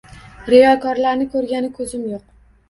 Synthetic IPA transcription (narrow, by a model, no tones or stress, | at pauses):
ɾɪjɒkʰɒɾlaɾnɪkʰɵɾɡʲanɪkʰɵzɪmjoq̚